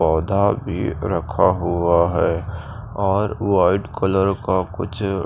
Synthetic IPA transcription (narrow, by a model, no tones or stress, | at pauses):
ɔːd̪ʱabʱḭɾəkʰaɦuaɦɛ | ɔːɾwaːɪɖkələɾkakʊt͡ʃʰ